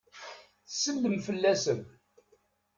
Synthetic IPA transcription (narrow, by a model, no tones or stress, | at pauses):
θsːənd̪əmfəlːæsən